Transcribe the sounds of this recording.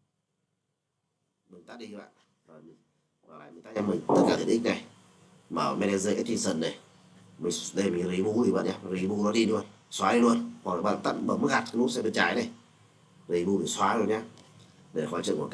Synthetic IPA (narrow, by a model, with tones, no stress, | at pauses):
mɨ˨˩ŋt̪a˦˥ɗi˧ɓa̰ː˧˨n | əː˨˩˧ | aː˨˩ɓaː˨˩mɨ˨˩ŋt̪aː˦ɲa˧mi˨˩ŋt̪ə˦˥t̚kaː˧˩i˨ʔi˦˥k̚na˨˩j | maː˨˩˨mɛ˧nɛ˧zə˧ʔa˨˦t̪wi˧˩sə˧˩nna˨˩j | mi˨˩ŋɗə˧jmi˨˩nɾi˨˦ɓu˧˦li˨˩ɓa̰ː˧˨ɲa˧ɾi˨˦ɓu˧nɔ˨˦ɗi˧lu˧ənswaː˨˦ɗi˧lu˧ənhwa˨˩k̚ːɓa̰ː˧˨t̪a˦˥t̚ɓə̰ː˧˩mə˦˥k̚ɣa˨˩t̚klu˦˥sɛ̰˧˥ɗɨ˨˧˩k̚t͡ɕaː˨˩jnə˨˩j | zi˨˩˦ɓu˧ɓi˨˩swaː˨˦zo˧˩nɲaː˧ | ɗe˨˩la˨˩waː˨˦t͡ɕɨ̰˧˨ŋku˧˩k